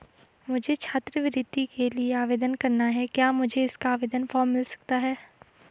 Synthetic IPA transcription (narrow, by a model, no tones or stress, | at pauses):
mʊd͡ʒʱet͡ʃʰaːt̪ɾəʋɪɾɪd̪ikelieaːʋeːd̪ənkɐɾnaɦɛkjaːmʊd͡ʒʱeɪskaːʋeːd̪ənfɔːɾmːɪlsɐ̥k̚t̪aɦɛː